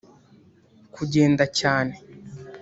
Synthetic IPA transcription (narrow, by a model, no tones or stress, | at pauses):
kʰuɟe̞ːndacaːne